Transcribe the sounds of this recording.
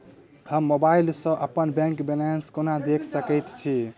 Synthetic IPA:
həmːobailsə̃ʔəpənbɛ̃ŋkbenanskonad̪ekʰsəkəjt̪t͡ʃʰi

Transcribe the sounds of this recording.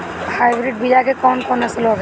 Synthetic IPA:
hajbɾiʈ̚bid͡ʒaɡekɔnkɔnaselɔɡ

